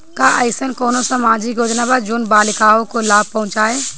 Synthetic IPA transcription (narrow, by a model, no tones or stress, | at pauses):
kaːʔəɪsənkoːnosəmaːd͡ʒijoːd͡ʒnabad͡ʒʊnbaːlɪkaːõkolaːb̚pɐɦʊ̃t͡ʃaːɦeː